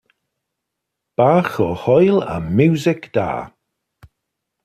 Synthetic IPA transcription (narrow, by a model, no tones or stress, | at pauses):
b̥aːxɔhɔjla̰mjuːzɪkd̪̥a̰ː